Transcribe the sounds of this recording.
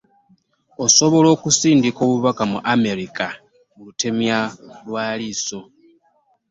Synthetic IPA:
o̞so̞βo̞lo̞ːkusiːndiko̞ːβuβakamuʔame̞ɾika | mulute̞mjalwaːliːso̞

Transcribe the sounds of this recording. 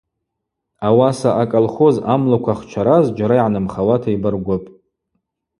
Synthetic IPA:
awasaʔakʼolχozamlakʷʰaχt͡ʃʷʰaɾazd͡ʒaɾaiʕanɨmχawatʰaibɨrɡʷʊpʼ

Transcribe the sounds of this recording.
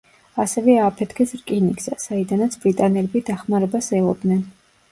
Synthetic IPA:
asɛvɛaːpʰɛt̪ʰkʰɛsɾkʼiniksasaid̪anat̪sʰb̥ɾit̪ʼanɛlɛbid̪aχmaɾɛbasɛlɔ̰d̪nɛn

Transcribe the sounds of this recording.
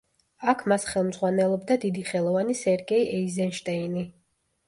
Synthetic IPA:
akʰmasχɛlˠmz̥ʁwanɛlˠɔbd̪ad̪id̪iχɛlˠɔvanisɛɾɡɛiʔɛizɛnʃt̪ʼɛini

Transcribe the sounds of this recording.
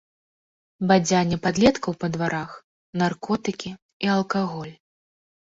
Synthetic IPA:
bad͡zʲanʲɛpad̪lʲɛt̪kɐwpɐd̪vaɾʔax | narkɔt̪ɨkʲi | iɐlˠkaɣɔlʲ

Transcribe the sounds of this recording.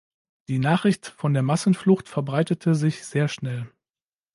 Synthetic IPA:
d̥iːnaːχʁ̥ɪçtfɔndeːɐmasn̩flʊxtfɛɐbʁaɪtətʰəzɪçz̥eːɐʃnɛl

